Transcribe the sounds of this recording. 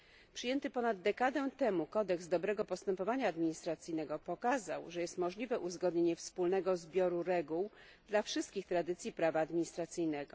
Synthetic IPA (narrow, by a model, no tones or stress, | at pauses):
pʂɘjɛnt̪ɘpɔnad̪ːɛkad̪ɛt̪ɛmukɔd̪ɛkzd̪ɔbɾɛɡɔpɔst̪ɛmpɔvaɲaːd̪mʲiɲist̪ɾat̪sɘjnɛɡɔpɔkazawʐɛjɛst̪mɔʐlʲivɛʔuzɡɔd̪ɲeɲɛfspulnɛɡɔzbʲjɔɾuɾɛɡuwd̪lafʂɘst̪̚kʲixt̪ɾad̪ɘt̪sʲjipɾavaːd̪mʲiɲist̪ɾat̪sɘjnɛɡɔ